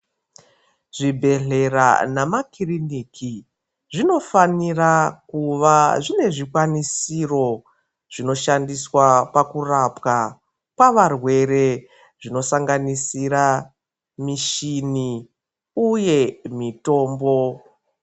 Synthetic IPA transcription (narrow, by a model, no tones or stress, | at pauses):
ʐibʱe̞ɮe̞ra̰namakiriniːkʰi | ʐino̞fanirakuʋaʐine̞ʐikwanisiro̞ | ʐ̥ino̞ʃandiswapakurapka | paʋarwe̞ɾe̞ | ʐino̞saŋɡanisiɾa | miʃini | uje̞mito̞ːmbo̞